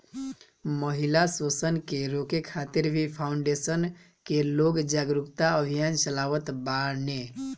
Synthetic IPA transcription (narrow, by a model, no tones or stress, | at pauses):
məɦilasosənkeɾokekʰːat̪iɾbʱipʰaʊɳɖesən | keloɡd͡ʒaɡɾupt̪aəbʱijant͡ʃəlaʋət̪baɾne